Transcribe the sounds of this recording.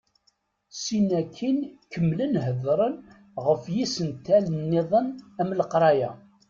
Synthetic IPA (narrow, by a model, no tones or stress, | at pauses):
sinækʰːinkəmːlənɦəðɾˤən | ʁəfjisənt̪ːælənːɪðˤənæmləqɾˤɑjæ